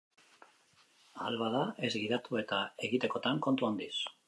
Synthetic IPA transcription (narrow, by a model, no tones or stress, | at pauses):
a̰lβaðae̞zɡiðat̪ue̞t̪ae̞ɣit̪e̞ko̞t̪aŋko̞nt̪uond̪is